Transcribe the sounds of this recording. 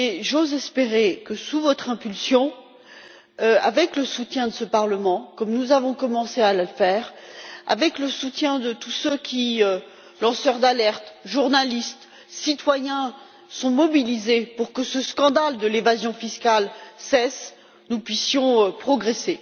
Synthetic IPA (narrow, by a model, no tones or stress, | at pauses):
eʒozɛspeʁekəsuvɔt̪χɛ̃pylsjɔ̃ | øa̰vɛkləsut̪jɛ̃d̪əsəpaʁləmɑ̃kɔmnuzavɔ̃kɔmɑ̃sealəfɛːʁa̰vɛkləsut̪jɛ̃d̪ət̪usøkʲiø | lɑ̃sœʁd̪alɛʁt̪ʒuʁnalist̪ | sit̪wajɛ̃ | sɔ̃mɔbilizepuʁkəsəskɑ̃d̪ald̪əlevazjɔ̃fiskʲalsɛs | nupɥisjɔ̃øpχɔɡʁese